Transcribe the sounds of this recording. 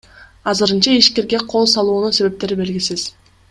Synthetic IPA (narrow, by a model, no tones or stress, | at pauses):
ɑzɯɾɯnt͡ʃɑiʃke̞ɾɡe̞qʰo̞lˠsɑlˠuːnunse̞βe̞p̚t̪e̞ɾibe̞lɡʲisiz̥